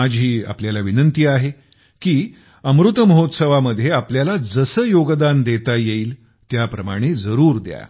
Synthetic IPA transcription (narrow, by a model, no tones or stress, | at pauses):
ad͡ʑɦiːa̰pljalaʋinənt̪iːaɦe | kiː | əmɾut̪məɦot̪səʋaməd̪ʱːjeapljalad͡zəsəːjoɡd̪and̪et̪ajeiːl | t̪japɾəma̰ɽ̃ed͡zəɾuːɾd̪ja̰